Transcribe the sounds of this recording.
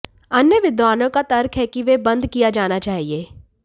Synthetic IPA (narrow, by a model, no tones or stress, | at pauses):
ɐnjəʋɪd̪ʋaːnõkat̪ɐɾkʰɦɛkiʋebɐ̃nd̪kijad͡ʒaːnat͡ʃaːɦieː